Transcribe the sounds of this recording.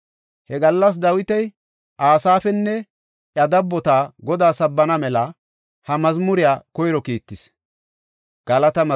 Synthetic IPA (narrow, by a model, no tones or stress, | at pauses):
hɛɡɐlːɐs̬d̪ɐwɪt̪ɛj | ʔaːsaːfɛnːɛ | ʔjɐd̪ɐbːɔt̪aːɡɔd̪aːsɐbːɐnɐmɛlɐ | hɐmɐzmʊɾɪjaːkɔjɾɔkiːt̪ːɪs | ɡ̥ɐlɐt̪ɐmɐ